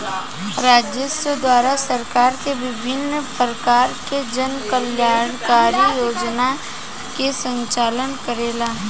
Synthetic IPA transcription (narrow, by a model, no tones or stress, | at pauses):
ɾaːd͡ʒjəsəd̪waːɾasəɾkaːɾkeʋɪbʱɪnːəpɾəkaːɾked͡ʒənkəljaːɽkaːɾijoːd͡ʒna | kesə̃ɲt͡ʃaːlənkəɾeːlaː